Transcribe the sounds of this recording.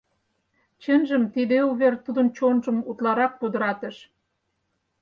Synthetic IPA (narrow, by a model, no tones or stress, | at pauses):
t͡ɕə̆nʒə̆mt̪id̪euβert̪ud̪ə̆nt͡ɕonʒə̆mut̪lɑɾɑk̚pud̪ə̆ɾɑt̪ə̆ʃ